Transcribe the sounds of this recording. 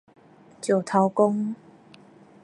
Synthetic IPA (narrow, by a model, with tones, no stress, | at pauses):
t͡ɕjo˨˩t̪ʰa˨˦wko˦ŋ